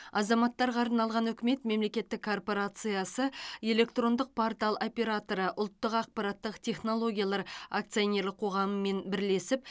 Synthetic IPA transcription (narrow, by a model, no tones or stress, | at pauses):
ɑzɑmɑt̪ːɑɾʁɑɾənɑlˠʁɑnɵkʲɪme̞t̪me̞mle̞kʲe̞t̪ːɪkʰːo̞rpo̞ɾat̪sɨjasəe̞le̞kt̪ɾo̞nd̪əq̚pʰo̞rt̪alˠo̞pʲe̞ɾat̪o̞ɾəʔʊlˠt̪ːəqɑq̚pɑɾɑt̪ːəqt̪ʲʰe̞χno̞lˠo̞ɡʲijalˠɑɾak̚t̪sɨjonʲe̞ɾlɪqʰo̞ʁɑməme̞nbɪɾle̞sɪp̚